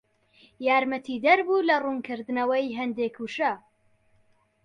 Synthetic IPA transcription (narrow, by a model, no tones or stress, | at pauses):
jaːɾmɐt̪ʰid̪ɐɾbuːlɐruːnkɨɾd̪ɨnɐwɐjɦɐnd̪ekʰuʃɐ